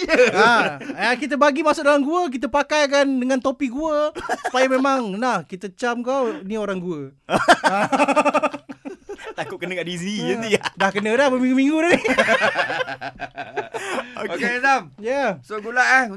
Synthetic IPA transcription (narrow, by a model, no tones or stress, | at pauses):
jəaakit̪̬əbaɡimasʊk̚daɾaŋɡuək̬it̪̬əpakajk̬andəŋãnt̪opiɡuəsəpajəmẽmãŋnahkit̪ət͡ʃamkawnioɾaŋɡuə | a | t̪akʊp̚kənəkaʔdiziədahkənədahbəmĩŋɡumĩŋɡudani | okoedamjasoɡulaʔa